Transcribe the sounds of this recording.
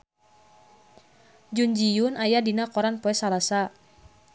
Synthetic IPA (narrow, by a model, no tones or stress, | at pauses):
d͡ʒund͡ʒijunajadinakɔɾanpɔɛsalasa